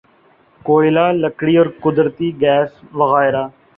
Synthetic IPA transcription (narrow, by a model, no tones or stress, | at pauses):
koːɪlaːləkɽiːɔːɾkʊd̪ɾət̪iːɡɛːsʋəɣaːɪɾaː